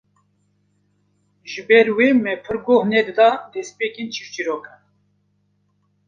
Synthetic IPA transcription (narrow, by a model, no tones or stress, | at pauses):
ʒɨbɛɾwemɛpʰɨɾɡohnɛd̪ɨd̪ɑd̪ɛspeːkent͡ʃʰift͡ʃiɾoːkɛ